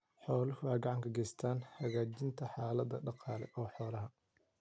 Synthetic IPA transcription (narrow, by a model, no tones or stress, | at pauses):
ħɔːlɪhʊaːɡɑʕɑŋkʰɐɡɛːjst̪ʰaːnhɐɣaːt͡ʃɪnt̪ʰɐħɑːlɐd̪ɐ̰ɖɑqɑːlɛ̰ʔɔːħɔːlɐɦɐ